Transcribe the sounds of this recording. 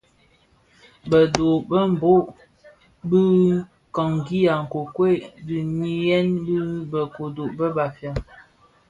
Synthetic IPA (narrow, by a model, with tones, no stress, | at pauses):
bə˨do˨bə˦m̩˨bo˦ʔ | bə˦ | kɔ˨ŋ˨ɡi˦ja˨ŋ̩˨ko˨kwe˦˨bi˨ɲi˦jɛ˦nbi˦bə˨ko˨do˨ʔbə˦ba˨fja˨